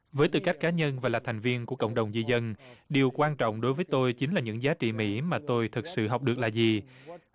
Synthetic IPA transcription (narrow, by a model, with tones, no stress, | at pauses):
vəː˨˦jt̪ɨ˨˩ka˦˥jk̟kaː˨˦ɲə˧nvaː˨˩laː˨˩t̪ʰa˨˩jŋ̟vi˧ənku˧˩əkə̰˧˨wŋ͡mɗə˨˩wŋ͡mzi˧zə˧nɗi˨˩əwkwaː˧nt͡ɕɔ̰˧˨wŋ͡mɗo˨˦jvəː˨˦jt̪o˧jt͡ɕï˨˦ŋ̟laː˨˩ɲɨ̰˧˥ŋzaː˨˦t͡ɕḭ˧˨mḭ˧˥maː˨˩t̪o˧jt̪ʰɨ˨˩t̚sɨ̰˧˨ɦɔ˨˩wk͡p̚ɗɨ˨˩ək̚laː˨˩zi˨˩